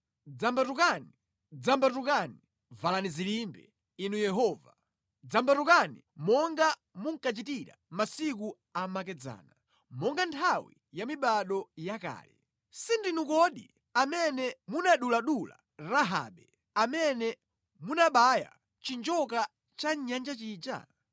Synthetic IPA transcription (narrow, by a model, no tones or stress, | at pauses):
d͡zambatukani | d͡zambatukani | valanizilimbɛ̰ | inujɛɦɔːva | d͡zambatukani | mɔŋɡa | muŋkat͡ʃitiɾa̰masik̬u | amak̬ɛd͡za̰ːna | mɔŋɡantʰawḭ | jamiɓaɗɔjaka̰ːlɛ̰ | sindinukɔɗḭ | amɛnɛmunaɗulaɗula̰ | ɾaɦa̰ːɓɛ | amɛnɛ | munaɓaja̰ | t͡ʃind͡ʒɔk̬a | t͡ʃaɲand͡ʒat͡ʃiːd͡ʒa̰